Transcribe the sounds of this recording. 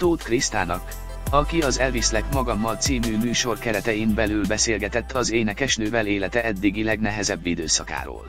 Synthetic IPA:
t̪oːt̪krist̪aːnɒk | ɒkiɒzɛlvislɛkmɒɡɒmːɒlt̪siːmyːmyːʃo̞rkɛɾɛt̪ɛjimbɛlylbɛseːlɡɛt̪ɛt̪ːɒzeːnɛkɛʃnøːvɛleːlɛt̪ɛɛd̪ːiɡilɛɡnɛɦɛzɛbːid̪øːsɒka̰ːɾo̰ːl

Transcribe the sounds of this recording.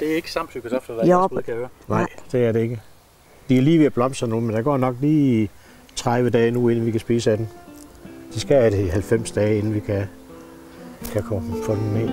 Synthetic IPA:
d̥e̝æɐeɡ̥əsɑ̈m̰̥sykʰosɒfd̥ɐdøɐnɑ̈ɪd̥e̝æɐde̝e̝ɡ̥ə | d̥iæɐliːʋeæb̥lɒ̽m̰sɐnoːmend̥ɑ̈ɡ̥ɒ̰ːnɒ̽ɡ̥liː | t͡sʰʁaðʋəd̥ɛːnue̝nn̩ʋikʰæsb̥iːsəæd̥em | d̥isɡ̥ææɾ̥eihælfem̰sd̥ɛːe̝nn̩ʋikʰæ | kʰækʰɒfʰɒd̥ne

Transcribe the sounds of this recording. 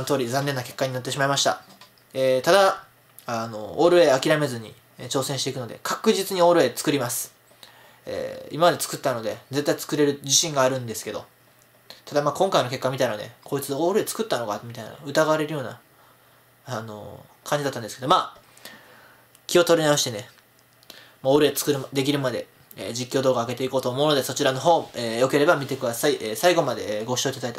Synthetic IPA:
nt̪oːɾʲizãnːenːake̞kːaɲ̟inot̪ːe̞ɕimaimaɕi̥t̪a̰ | et̪ad̪a | ano̞̰oɾɯ̟e̞akʲiɾame̞zɨɲ̟ḭ | t͡ɕo̞ːsẽɕit̪e̞ikɯ̟no̞d̪e̞̰kʰakɯ̟ʑit͡sɨɲ̟io̞ɾɯ̟e̞t͡sɨ̥kɯ̟ɾʲimasɨ̥ | ḛːḭmamad̪e̞t͡sɨ̥kɯ̟t̪ːano̞d̪e̞d͡ze̞t̪ːait͡sɨ̥kɯ̟ɾe̞ɾɯ̟d͡ʑiɕĩŋɡaːɾɯ̟̃nd̪e̞sɨ̥ke̞d̪o̞̰ | t̪ʰad̪amaːkõŋkaino̞ke̞kːamʲit̪ainad̪e̞̰kʰo̞it͡sɨoɾeet͡sɨ̥kɯ̟t̪ːano̞ɡamʲit̪aina̰ɯ̟t̪aɡaaɾe̞ɾɯ̟jo̞ːna̰ | ano̞̰ | kʰãɲd͡ʑid̪at̪ːãnesked̪o̞maː | kʲio̞t̪o̞ɾʲinaoɕi̥t̪e̞ne̞ | mooɾeet͡sɨ̥kɯ̟ɾɯd̪e̞k̬ʲiɾɯ̟mad̪e̞ | ḛd͡ʑikʲːo̞ːd̪oːɡaːɡe̞t̪e̞iko̞ːt̪oːmo̞ɯnod̪e̞so̞t͡ɕiɾano̞ɦo̞ːejo̞ke̞ɾe̞bamʲit̪e̞kɯ̟d̪asaiʔeːsaiɡo̞mad̪e̞ɡo̞ɕo̞it̪ad̪ait̪a

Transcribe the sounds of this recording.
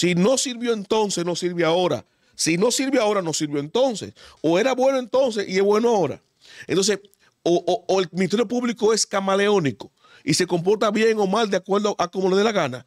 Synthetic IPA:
sino̞siɾβjo̞e̞nt̪o̞nsesnosiɾβjoao̞ɾa̰ | sino̞siɾβjoao̞ɾano̞siɾβjo̞ent̪o̞nse̞̰soe̞ɾaβwe̞noent̪o̞ns̬e̞sie̞sβwe̞noao̞ɾa̰ | ent̪o̞nses | oʔːelminit̪eɾjopuβliko̞e̞skamale̞o̞niko̥ | ise̞ko̞mp̬o̞ɾt̪aβje̞ŋo̞mald̪eakwe̞ɾðoʔako̞mo̞leðelaɣana̰

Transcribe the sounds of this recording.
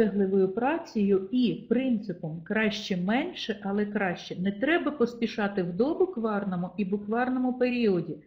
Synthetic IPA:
ɛɦlˠɪʋɔjʊpɾɑt͡sʲijʊipɾɪnt̪sɪpɔmkɾɑʃt͡ʃɛmɛnʲʃɛʔɐlˠɛkɾɑʃt͡ʃɛnɛt̪ɾɛbɐpɔspʲiʃɑt̪ɪwd̪ɔbʊkʋɑrnɔmʊʔibʊkʋɑrnɔmʊpeɾʲiɔdʲi

